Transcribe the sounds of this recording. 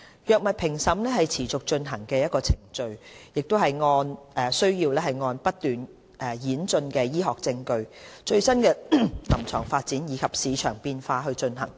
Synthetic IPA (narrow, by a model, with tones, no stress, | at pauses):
jœː˨k̚mɐ˨t̚pʰɪ˨˩ŋsɐ˨˥mlɛː˥hɐ˨jt͡sʰiː˨˩t͡sʊ˨k̚t͡ʃɵ˧nɦɐ˨˩ŋkɛː˧jɐ˥t̚kɔː˧t͡sʰɪ˨˩ŋt͡ʃɵ˧ɥjɪ˨k̚t̪o˥wɦɐ˨jŋɔː˧nɛː˨˩sɵ˥ɥjiː˧wlɛː˥hɐ˨˩jŋɔː˧npɐ˥t̚t̪yː˨n | ʔɛː˨˩jiː˨˥nt͡sɵ˧nkɛː˧jiː˥ɦɔː˨k̚t͡sɪ˧ŋkɵ˧ɥt͡ʃɵ˧ɥsɐ˥nkɛː˧lɐ˨˩mt͡sʰœː˨˩ŋfaː˧t̚t͡siː˨˥njiː˨˧kʰɐ˨p̚siː˨˧t͡ʃʰœ̰ː˨˩ŋpiː˧nfaː˧ɦɵ˧ɥt͡ʃɵ˧nɦɐ˨˩ŋ